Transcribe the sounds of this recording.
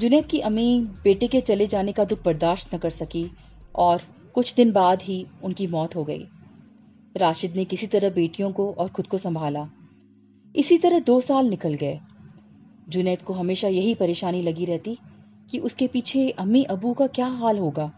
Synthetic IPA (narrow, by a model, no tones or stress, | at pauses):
d͡ʒʊnɛːt̪̚kiʔɐmibeːʈeket͡ʃɐled͡ʒaːnekad̪ʊk̚ʰbɐɾd̪aːʃʈ̪nɐkɐɾsɐki | ɔːɾ | kʊt͡ʃʰd̪ɪnbaːd̪ɦiʊnkimɔːt̪ɦoɡɐḭː | ɾaːʃɪd̪nekɪsit̪ɐɾəɦbeːʈijõkoʔɔːɾxʊd̪kosɐ̃mbʱaːlaː | ɪsit̪ɐɾəɦd̪oːsaːlnɪkəlɡɐeː | d͡ʒʊnɛːt̪̚koɦɐmeːʃajɐɦipɐɾeːʃaːnilɐɡiɾɛɦt̪i | kiʔʊskepiːt͡ʃʰeɐmiʔɐbukakjaːɦaːlɦoːɡaː